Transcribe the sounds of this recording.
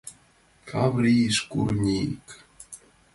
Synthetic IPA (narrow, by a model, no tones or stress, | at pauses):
kʰavɾiːskṵrniːk